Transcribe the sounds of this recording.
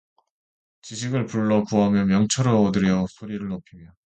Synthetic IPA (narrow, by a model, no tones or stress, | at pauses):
t͡ɕiɕʰiɡɯɭpuɭːʌkuɦamjʌmjʌŋt͡ɕʰʌɾʌːdɯɾjʌsʰoɾiɾɯɭnopʰimjʌ